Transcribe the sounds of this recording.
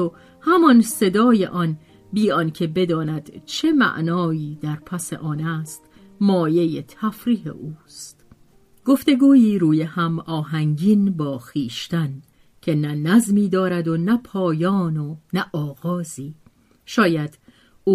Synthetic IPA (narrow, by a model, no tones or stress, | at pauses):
o | hæmɒnse̞d̪ɒːje̞ʔɒn | biːɒnkʰe̞be̞d̪ɒːnæd̪̥t͡ʃʰe̞mæ̰ʔnɒːiːd̪æɾpʰæsḛʔɒːnæːst̪ | mɒːje̞jet̪ʰæfɾiːɦḛʔuːst̪ | ɡ̥o̞ft̪e̞ɡuːiːɾuːjehæmɒːɦæŋɟinbɒːxiːʃt̪æn | cʰe̞nænæzmiːd̪ɒːɾæd̪onæpʰɒːjɒːnonæʔɒːɣɒːziː | ʃɒːjæd̪̥ | uː